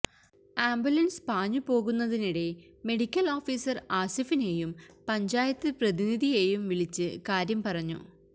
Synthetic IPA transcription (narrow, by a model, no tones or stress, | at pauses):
aːmbjulɐnspaːɲːupo̞ːɣunːɐðiniɽe̞ | me̞ɽikʲːɐlo̞ːfiːsɐraːsifine̞jumpɐɲd͡ʑaːjɐt̪ːɨprɐðiniðijejumʋiɭit͡ɕːɨkaːɾjɐmpɐrɐɲːṵ